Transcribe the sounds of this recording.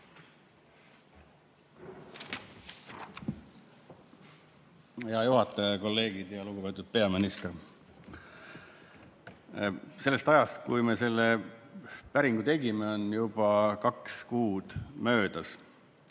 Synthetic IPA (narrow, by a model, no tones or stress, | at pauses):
heɑjuɦɑt̪ːˑɑjɑko̞lːe̞ːɡ̥id̪̥jɑluɡ̥upe̞t̪ːˑud̪̥̚pe̞ɑminist̪r | se̞lːest̪ɑjɑst̪kujme̞se̞lːe | pæɾiŋɡut̪e̞ɡimeo̞njub̥ɑkɑkskuːd̪̥mø̞ːd̪̥ɑs